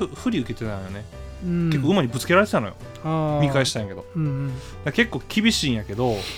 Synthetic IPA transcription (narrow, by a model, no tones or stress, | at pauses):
ɯɸɯ̟ɾʲiɯ̟ke̞t̪e̞t̪ãɰ̃jone̞ke̞kːoɯ̟maɾʲibɯ̟t͡sɨ̥ke̞ɾaɾe̞t̪et̪anojo̰ | amʲikaeɕi̥t̪ãj̃ake̞d̪õ̞ | d̪ake̞kːo̞ːkʲibʲiɕĩːɰ̃jake̞d̪o̞